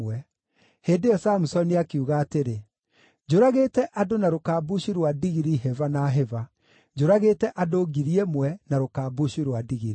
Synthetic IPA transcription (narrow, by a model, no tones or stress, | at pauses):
wɛ | heːdeɔsaːmusɔniakeuɣaːteɾe | d͡ʑoɾaɣeːtɛʔadonaɾokaːbuɕiɾwadiɣiɾiɦɛvanaɦɛva | d͡ʑoɾaɣeːtɛʔadoɡiɾiɛmwɛnaɾokaːbuɕiɾwadiɣiɾi